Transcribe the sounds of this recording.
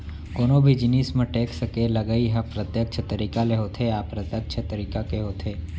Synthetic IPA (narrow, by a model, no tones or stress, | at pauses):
konobʱid͡ʒnismə̃ʈeksəkeləɡaiɦapɾət̪jək̚t͡ʃʰət̪əɾikaleɦot̪ʰeapɾət̪ək̚t͡ʃʰət̪əɾikakeɦot̪ʰe